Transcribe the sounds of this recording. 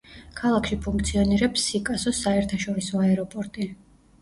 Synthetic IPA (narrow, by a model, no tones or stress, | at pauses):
kʰalˠakʃipʰuŋkʰt̪sʰiɔniɾɛpsːikʼasɔsaɛɾt̪ʰaʃɔɾisɔaɛɾɔpʼɔɾt̪ʼi